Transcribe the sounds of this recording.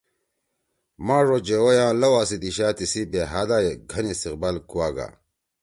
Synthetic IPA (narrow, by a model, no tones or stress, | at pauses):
mãːʐod͡ʑewojãːlɐwaːsid̪iɕaːt̪isibeɦad̪ajeɡʱɐnist̪iqbalkuwaːɡa̰